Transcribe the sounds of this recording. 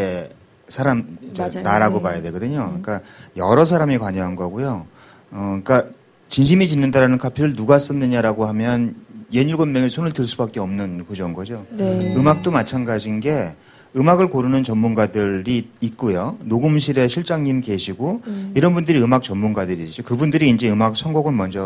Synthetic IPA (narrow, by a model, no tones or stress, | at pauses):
e | sʰaɾamt͡ɕanaɾaɡopajade̞ɡʌdɯɲok͈ajʌɾʌs̬ʰaɾamikwaɲʌɦanɡʌɡojo | ʌk͈a | t͡ɕinɕʰimit͡ɕinːɯndaɾanɯnkʰapʰiɾɯɭnuɡas͈ʌnːɯɲaɾaɡohamjʌnje̞ɲuɭɡonmeŋɯɭsʰonɯɭtɯɭs͈ubak͈e̞ʌmnɯnkud͡ʑʌnɡʌd͡ʑoɯmak̚t͈omat͡ɕʰanɡad͡ʑinɡe̞ | ɯmaɡɯɭkoɾunɯnt͡ɕʌnːunɡadɯɾiːt̚k͈ojonoɡɯmɕʰiɾe̞ɕʰiɭt͡ɕ͈aŋɲimke̞ɕʰiɡoiɾʌnbundɯɾiɯmak̚t͡ɕʌnmːunɡadɯɾit͡ɕ͈okɯbundɯɾiːnd͡ʑe̞ɯmak̚sʰʌnɡoɡɯnmʌnd͡ʑʌ